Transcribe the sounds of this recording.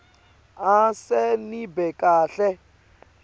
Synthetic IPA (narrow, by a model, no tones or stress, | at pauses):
asɛnibɛkʼaːɬɛ